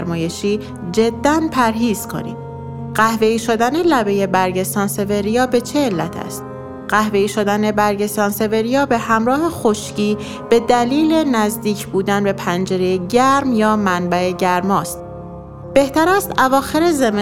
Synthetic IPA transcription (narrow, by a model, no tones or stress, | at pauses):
ɾmɒːje̞ʃiː | d͡ʒe̞d̪ːænpʰæɾɦiːz̥kʰo̞̰nḭːd̪ | ɢæhve̞iːʃo̞d̪æne̞læbe̞je̞bæɾɟe̞st̪ɒːnse̞veɾijɒːbe̞t͡ʃʰeːlːæt̪ʰæ̰st̪̚ | ɢ̥æhve̞iːʃod̪æne̞bæɾɟe̞st̪ɒːnse̞ve̞ɾijɒːbe̞hæmɾɒːhe̞xo̞ʃciː | b̥e̞d̪æliːlenæzd̪iːcʰbuːd̪ænbe̞pʰænd͡ʒe̞ɾejeɟæɾmjɒːmænbæe̞ɟæɾmɒːst̪̚ | b̥e̞ht̪æɾæst̪ævɒːxe̞ɾezem